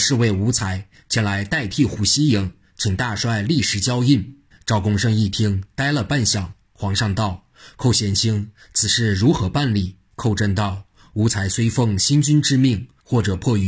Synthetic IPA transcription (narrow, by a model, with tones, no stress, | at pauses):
ʂɻ̩˥˧we˥˩ɪu˧˥t͡sʰa˧˥ɪ | t͡ɕʰjɛ˧˥nla˧˥ɪt̪a˥˧ɪt̪ʰi˥˩xu˧˥ɕi˥ji˧˥ŋ | t͡ɕʰi˨˩ŋt̪a˥˧ʂwa˥˧ɪli˥˩ʂɻ̩˧˥t͡ɕjɑ˥ʊi˥˩n | ʈ͡ʂɑ˥˩ʊkʊ˥ŋʂɤ˥˧ŋi˥˩t̪ʰi˥ŋt̪a˥ɪlə˨pa˥˧nɕjɑ˨˩ŋ | xwɑ˧˥ŋʂɑ˥˧ŋt̪ɑ˥˩ʊ | kʰo˥˩ʊɕjɛ˥˩nt͡ɕʰi˥ŋ | t͡sʰɹ̩˨˩ʂɻ̩˥˩ɻu˧˥xɤ˧˥pa˥˧nli˥˩ | kʰo˥˧ʊʈ͡ʂə˥˧nt̪ɑ˥˩ʊ | u˧˥t͡sʰa˧˥ɪswe˥ɪfɤ˥˩ŋɕi˥nt͡ɕy˥nʈ͡ʂɻ̩˥mi˥˩ŋ | xwɔ˥˩ʈ͡ʂɤ˨˩pʰwɔ˥˧y˧˩